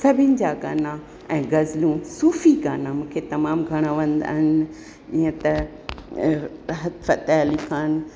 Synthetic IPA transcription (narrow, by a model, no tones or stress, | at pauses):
sɐbʱɪnɪ̆d͡ʑaɡaːna | ɛ̃ːɡɐzlũsuːfiɡaːnamũːkʰet̪ɐmaːmɡʱɐɽ̃aʋɐ̃nd̪a̰ːɦɪnɪ | d͡ʑĩːə̃t̪ɐ | ɦɐt̪fɐt̪ɛlikʰaːn̆